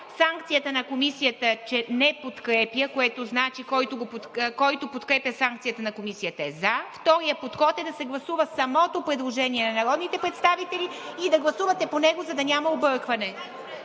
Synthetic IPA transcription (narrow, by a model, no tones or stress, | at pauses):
saŋkt̪sijət̪ənɐkomisijət̪ət͡ʃɛnɛpot̪kɾɛpjəkoɛt̪oznat͡ʃikɔjt̪oɡop̪kɔjt̪opot̪kɾɛpjəsaŋkt̪sijət̪ənɐkomisijət̪əɛzaft̪ɔɾijəpot̪xɔt̪ɛd̪ɐsɛɡlˠɐsuvəsɐmɔt̪opɾɛd̪lˠoʒɛniɛnɐnɐɾɔd̪nit̪ɛpɾɛt̪st̪avit̪ɛlʲiid̪ɐɡlˠɐsuvət̪ɛponɛɡozɐd̪ɐnʲamɐobɤɾkvɐnɛ